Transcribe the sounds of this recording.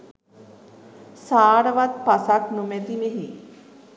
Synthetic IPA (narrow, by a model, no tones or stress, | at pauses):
saːɽəʋat̪̚pasaknumed̪imiɦi